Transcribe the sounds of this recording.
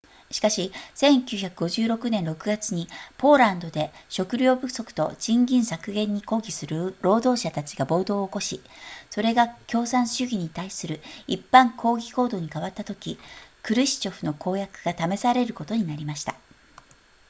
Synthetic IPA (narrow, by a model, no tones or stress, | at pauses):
ɕi̥kaɕisẽ̞ŋkʲɨːçakɯ̟ɡo̞ʑɨːɾo̞kɯ̟nẽ̞nɾo̞kɯ̟ɡat͡sɨɲ̟ipo̞ːɾãnd̪o̞d̪e̞ɕo̞kɯ̟ɾʲo̞ːbɯ̟so̞kɯ̟̥t̪o̞̰d͡ʑĩŋɡʲĩɰ̃sakɯ̟ɡẽ̞ɲ̟ːiko̞ːɡʲisɨɾɯ̟ɾo̞ːd̪o̞ːɕat̪at͡ɕiɡabo̞ːd̪o̞ːko̞ɕiso̞ɾe̞ɡakʲo̞ːsãɰ̃ɕɨɡʲiɲ̟it̪aisɨɾɯ̟ipːãŋkʰo̞ːɡʲiko̞ːd̪o̞ːɲ̟ikaβat̪ːat̪o̞kʲikɯ̟ɾɯ̟ɕi̥t͡ɕo̞ɸɯ̟no̞kʰo̞ːjakɯ̟ɡ̥at̪ame̞saɾe̞ɾɯ̟ko̞t̪o̞ɲ̟inaɾʲimaɕi̥t̪a